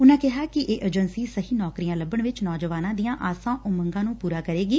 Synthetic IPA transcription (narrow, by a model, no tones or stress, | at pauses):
ʊnãːkɪɦaːkɪʔeːʔəd͡ʒənsiːsəɦiːnɔːkɾijãːləbəɳʋɪt͡ʃnɔːd͡ʒəʋaːnãːd̪ijãːʔaːsãːʔʊməŋɡãːnũːpuːɾaːkəɾeːɡiː